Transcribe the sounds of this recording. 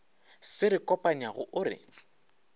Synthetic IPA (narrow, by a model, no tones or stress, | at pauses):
sɪɾɪkʼɔpʼaɲiaɣʊʔʊɾɪ̰